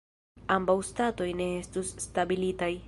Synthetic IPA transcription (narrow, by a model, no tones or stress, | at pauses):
ambawstato̞jne̞estusːtabilitaj